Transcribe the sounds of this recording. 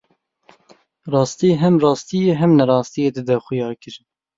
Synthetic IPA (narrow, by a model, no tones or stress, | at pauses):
rɑːst̪iːɦɛmrɑːst̪ijeɦɛmnɛɾɑːst̪ijeːd̪ɨd̪ɛxʊjɑːɾkɨɾɨn